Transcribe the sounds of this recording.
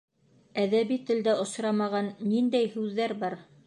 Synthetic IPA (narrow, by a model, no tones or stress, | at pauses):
æðæβit̪ɘ̆ld̪æŏʃɾɑmɑʁɑnːind̪æjhʉðːæɾbɑɾ